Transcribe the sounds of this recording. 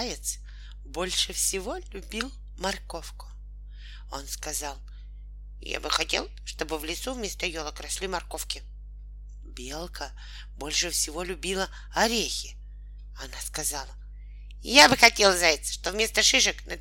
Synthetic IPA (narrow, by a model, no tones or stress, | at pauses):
jɪt̪s | bo̞lʲʂɨfsʲɪvo̞lʲʊbʲilˠ | mɐrko̞fkʊ̥ | o̞nskɐzɑlˠ | ja̰bɨxɐtʲe̞̰lˠʂt̪o̞bɨvlʲɪt̪suvmʲest̪əjolˠəkɾɐslʲimɐrko̞fkʲɪ | bʲe̞lˠkʰə | bo̞lʲʂɨfsʲɪvo̞lʲʊbʲilˠə | ɐɾʲexʲɪ | ɐnaskɐzɑlˠə | jabɨxɐtʲe̞lˠzajʲɪt̪sə̥ʂt̪ovmʲe̞st̪əʂɨʂɨknə